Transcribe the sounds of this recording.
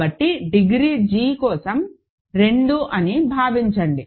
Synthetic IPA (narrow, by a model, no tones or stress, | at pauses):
ɐʈːiɖiɡɾid͡ʒiːkɔːsɐm | ɾe̞ɳɖuʔɐnibʱaːʋiɲt͡ʃɐɳɖi